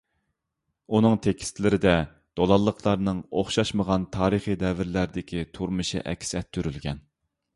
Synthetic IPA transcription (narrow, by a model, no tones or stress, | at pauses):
unɨŋt̪ʰekʲʰi̥st̪ʰlɪɾɪd̪ɛ | d̪̥olˠɑlˠːəqʰlˠɑɾnɨŋoχʃɑʃməʁɑnt̪ʰɑːɾɨχid̪ɛvɪɾlæɾɪd̪ɪkʲʰit̪ʰuɾmɨʃḭʔɛ̰kʲsɛt̪ʰːyɾylɡʲɛn